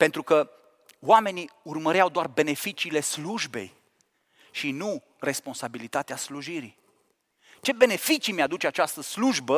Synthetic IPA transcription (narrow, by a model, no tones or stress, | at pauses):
pe̞nt̪ɾukə | wame̞niurməɾeawd̪oarbe̞ne̞fit͡ʃiːle̞sluʒbe̞̰j | ʃinu | re̞spo̞nsabilit̪at̪easluʒiɾi | t͡ʃe̞be̞ne̞fit͡ʃimead̪ut͡ʃeat͡ʃast̪əsluʒbə